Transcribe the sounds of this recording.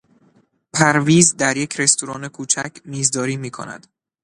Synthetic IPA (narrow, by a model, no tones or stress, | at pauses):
pʰæɾviːzd̪æɾje̞cʰɾe̞st̪uɾɒːne̞kʰuːt͡ʃʰæcʰmiːzd̪ɒːɾiːmiːkʰo̰næ̰d̪̥